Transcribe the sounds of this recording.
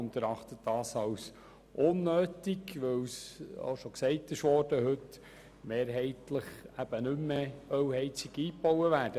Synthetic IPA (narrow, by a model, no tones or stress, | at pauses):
ʊnt̪əɾɑχt̪ətd̥ɑːsɑws | ʔʊnːøːtiɡʋɵwso̰ʃɔksɛɪtɪʃʋɔːrd̥əɦɵt | meːɾɦɛɪtləχæb̥ənʏmːeœwhɛɪt͡siɡiːpɔwəʋæːɾd̥ə